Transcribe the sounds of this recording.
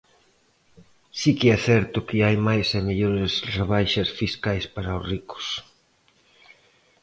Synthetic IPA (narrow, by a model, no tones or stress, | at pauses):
sikɪɛθɛɾt̪ʊkɪajmajsɛmeʎoɾɪsreβajʃɐsfiskajspaɾaʊsrikʊ̥s